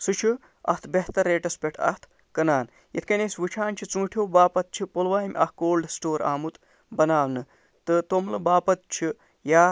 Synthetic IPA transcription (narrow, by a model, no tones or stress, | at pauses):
sut͡ʃʰi | ɐ̰ht̪ʰbeɦt̪ɐɾːeːʈɐspʲeʈʰɐ̰ht̪ʰ | kɐnaːn | jɐ̰t̪ʰkɐnesʲʋɨt͡ʃʰaːnt͡ʃʰit͡sũːʈʰjoːbaːpɐt̪̚t͡ʃʰipolʋaːjmʲʔɐhkoːlɖsʈoːɾa̰ːmut̪ | bɐnaːwnɨ | t̪ɨt̪omlɨbaːpɐt̪̚t͡ʃʰi | jaː